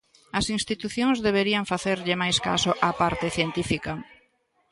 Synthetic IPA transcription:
ɐsinst̪it̪uθjoŋzðeβ̞eɾiɐɱfaθeɾʎɪmajska̰sʊʔapaɾt̪ɪθjent̪ifikɐ

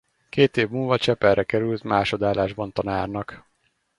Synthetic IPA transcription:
keːt̪eːvmulvɒt͡ʃɛpɛrʔɛkɛɾylt̪maːʃo̞d̪aːlaːʒbɒnt̪ɒnaːrnɒk

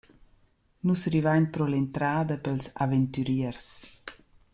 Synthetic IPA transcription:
nusrivaɲpɾɔlɛnt̪ɾaːd̪əpɛlsa̰vɛnt̪yɾiərs

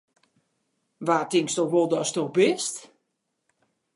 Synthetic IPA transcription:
ʋaːtɪŋkstoxʋolˠdɔstoxbɪst

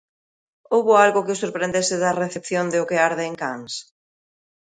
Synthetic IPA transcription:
owβʊalɣʊkɪʊsoɾpɾend̪esɪðɐreθepθjond̪ɪʊkeaɾðeŋkaŋs

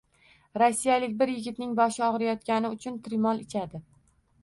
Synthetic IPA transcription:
ɾɒsːijalɪkʲbɪɾjɪɡʲɪt̪nɪŋbɒʃɪɒʁɨɾajɒt̪kʲanɪʊt͡ʃʰʊnt̪ɾɪmɒlˠɪt͡ʃʰad̪ɪ

